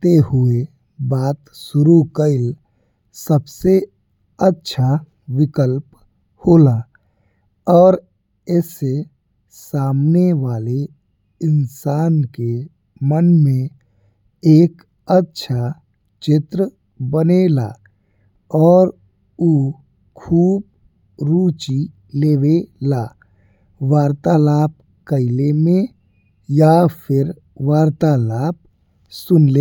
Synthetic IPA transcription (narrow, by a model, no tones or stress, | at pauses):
t̪eɦʊe | baːt̪sʊɾukəɪl | səbse | ətːʃʰa | ʋɪkəlp | hoːlaː | ɔːɾ | ɛːse | saːmneʋaːle | ɪnsaːnke | mənmẽ | eːk | ətːʃʰa | t͡ʃɪt̪ɾə | bənela̰ː | ɔːɾ | uː | kʰuːb̚ | ɾuːt͡ʃi | leːwelaː | ʋaːɾt̪alaːp̚ | kəɪlemẽ | japʰɪɾ | ʋaːɾt̪alaːp̚ | sʊnleː